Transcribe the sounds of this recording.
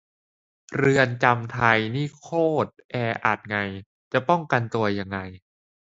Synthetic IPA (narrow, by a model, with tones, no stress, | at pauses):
ɾɯ˧ənt͡ɕa˧mt̪ʰa˧jniː˥˩kʰoː˥˩t̪̚ʔɛː˧ʔa̰˨˩t̪̚ŋa˧j | t͡ɕa˨˩ʔpɔ˥˩ŋka˧nt̪u˧ɐja˧ŋːa˧j